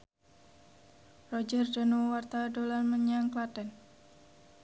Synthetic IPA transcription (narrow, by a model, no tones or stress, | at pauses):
rɔd͡ʒərdanuwwart̪adolanməɲaŋkladɛn